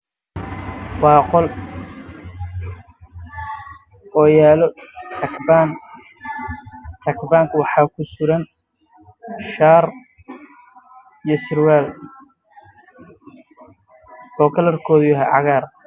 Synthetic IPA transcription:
wɑːqɔl | wɔjaːlɔt̪ʰɐkʰban | t̪ʰɐkʰbaːŋkʰʊwɑħɑːkʰʊsʊɾɐn | ʃaːr | ijɔsɪrwaːl | ɔːkʰɐlɐrkʰɔːðʊjɐɦɛʕɑ̰ɣaːr

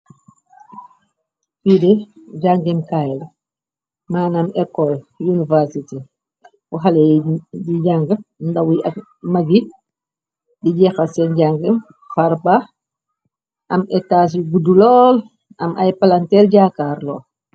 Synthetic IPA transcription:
fidɛɟaŋɡɛmkajl | maːnɐmɛkːɔljunivɛɾsite | uɦalɛdiɟaŋɡəndɐwɐ | mɐɡi | diɟɛxɐsɛnɟaŋɡɛm | faɾba | ʔɐmɛtaːs̬ɡudulɔːl | ɐmʔɐjpalantɛɾɟakaːɾlɔ̰ːl

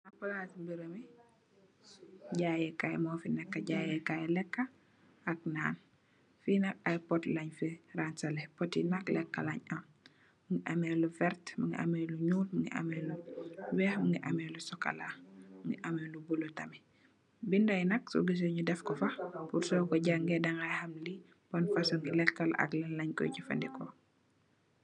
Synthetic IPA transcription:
napːulatimbiɾəmi | ɟajɛkajmɔːfinɛkːaɟajɛkajlɛkːa | ak̚naːn | finakajpɔtlaɲfiransalɛpɔtinaklɛkːa̰laɲamː | ŋɡiʔamelufɛɾtmiŋɡḭʔa̰mɛluɲuːlmiŋɡḭʔa̰mɛluwɛːhmuŋɡiʔamɛlusɔka̰lamŋɡḭʔamɛlubulotɐmi | bindɐjnɐk̚so̰ɡis̬oɲudɛfkɔfɐpuɾsɔkɔɟaŋɡɛdɐŋajhɐmli | bɔnfasɔŋɡilɛkːɐlʔɐ̰klɛnlɐɲkɔ̰jɟifɐ̰ndikɔ

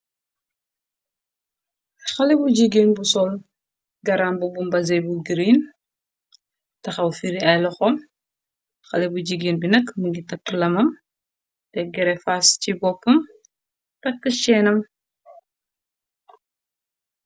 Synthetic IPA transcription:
xɐlɛbuɟiɡeːnbusɔl | ɡɐɾaːnbubumbɐzɛjbuɡiɾiːn | tɐxɐwfiɾiɐjlɐxɔm | xɐlɛbuɟiɡeːnbinɐkmuɡitɐkːlɐmɐm | tɛɡɛɾɛfascibɔpːɐm | tɐkːəʃɛːnɐm

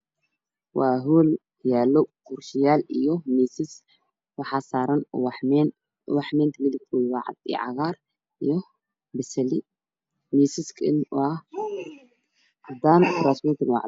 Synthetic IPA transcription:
waɦul | jalːokuɾʃijalɨjːomisis | wɐħasaɾɐn | waħment̪ʰɨmilikʰujwaʕa̰d̪ḭʕa̰ɣaɾ | ʔɨjo | bɨsɐli | misiskʰɨʔɨnwa | ʕad̪ant̪ʰɾasmuɾt̪ʰɨnwa̰ʕ

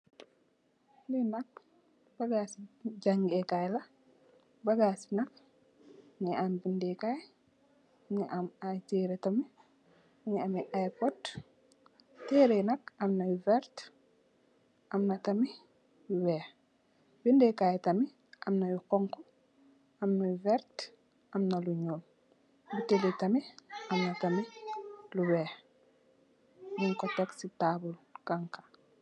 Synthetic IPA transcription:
lɛnak̚ | b̥aɡasid͡ʒaŋɡɛkajla | baɡasi̥nak̚ | nɛambindɛkaj | nɛʔamajtɛɾɛtami | nɛamɛʔajpɔd | tɛɾɛnakamnajuvɛɾt | ʔɐmnɐtɐmi | juwɛːh | bindɛkajtɐmi | ʔɐmnɐjukɔŋkɔ | ɐmnajuvɛɾt | ʔɐmnɐluɲoːl | biteletɐmiʔɐmnɐtɐmiluwɛːh | ɲiŋkɔtɛksitabulkaŋkḁ

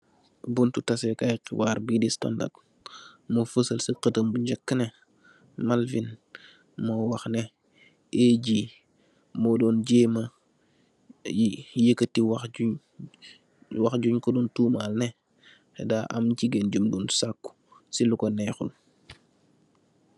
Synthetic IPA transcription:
buntutɐsɛkajqiwaːɾbidista̰nda̰t̚ | mofəsəlsiqətəmbuɲɟɐkːnɛ | malfin | mɔːwɐxnɛ | eɟiː | mɔdɔːnɟeːmɐ | jijəkːətːiwaxuɲ | wɐxɟuɲkɔdɔntuːmalnɛ | xɛ̰daːʔɐ̰mciɡɛnd͡ʒumdunsakːu̥ | silukɔnɛxul

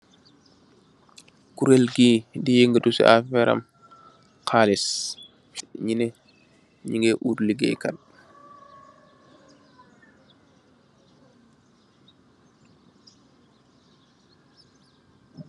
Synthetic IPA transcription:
kuɾelɡiːdijiŋɡədusḭʔa̰fɛɾa̰m | kʰaːlis | ɲinɛ | ɲiŋɡɛʔuɾliɡɛ̰kan

